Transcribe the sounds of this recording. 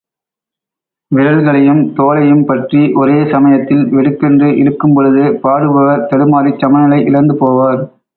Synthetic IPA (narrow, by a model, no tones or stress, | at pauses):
ʋɪɾɐlɣɐɭɐjɯmt̪oːlɐjɯmpɐʈriʔɔɾeːsɐmɐjɐt̪ːɪlʋɛɽɯkːɛndrɯʔɪɽɯkːɯmpɔɻɯðɯpaːɽɯpɐɣɐt̪ɐɽɯmaːɾit͡ʃːɐmɐnɐlɐɪʔɪlɐnd̪ɯpoːʋaːɾ